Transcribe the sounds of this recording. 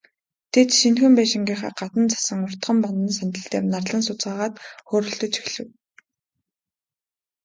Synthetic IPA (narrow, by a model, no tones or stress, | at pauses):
t̪ʰet̪ʃinxɘ̆mpæːʃɪ̆ŋɡʲiːχa̰ːɢat̪ə̆nt͡sʰḁsə̆ŋʊr̥t̪̆χə̆mpɔnt̪ə̆nsant̪ə̆ɬt̪ḛːrnarɮə̆nsʊt͡sɢaːʁaːt̪xoːɾɵ̆ɮt̪ɵ̆t͡ɕʰi̥xɮɘ̆w